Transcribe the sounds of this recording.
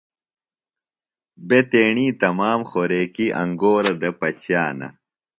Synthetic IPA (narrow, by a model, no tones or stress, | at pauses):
bet̪eːɳiːt̪ɐmaːmxoɾeːkiʔɐ̰ŋɡoːɾɐd̪ɐpɐt͡ɕʰjaːnɐ̰